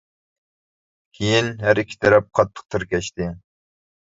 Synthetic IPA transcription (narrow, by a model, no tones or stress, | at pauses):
kʲʰejinɦæɾikʲʰːi̥t̪ʰɛɾɛp̚qʰɑt̪ʰːə̥q̚t̪ʰɪɾkʲɛʃt̪ɪ